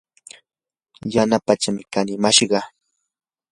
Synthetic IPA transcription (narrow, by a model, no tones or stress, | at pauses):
janapat͡ʃamɪkanɪmaʃɢɑ